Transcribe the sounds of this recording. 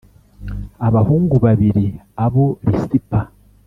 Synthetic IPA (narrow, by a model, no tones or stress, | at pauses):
aβahuːŋɡuβaβiɾi | aβo̞βisipa